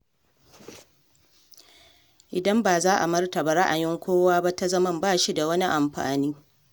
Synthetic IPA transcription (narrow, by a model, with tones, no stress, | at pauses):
ʔɪ˨dɐ˦mbaː˨zaː˦ʔa˨mɐ˦rta˨ba˨ɾa˦ʔa˨jɪ˦ŋkʷoː˦waː˦ba˦ta˦zɐ˦mɐ˦mbaː˦˨ʃi˦da˨wɐ˦ni˦ʔa˨mɸa̰ː˨niː˦